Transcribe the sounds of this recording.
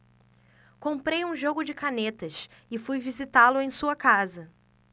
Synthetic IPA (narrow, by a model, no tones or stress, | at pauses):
kõpɾejũʒoɡʊd͡ʒɪkanet̪ɐʃɪfujvizit̪alʊẽj̃suɐkazɐ